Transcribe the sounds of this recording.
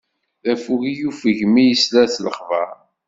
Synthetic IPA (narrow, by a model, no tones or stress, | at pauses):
ðæfuʝijufəʝmijəslæθləχvɑ̰ɾˤ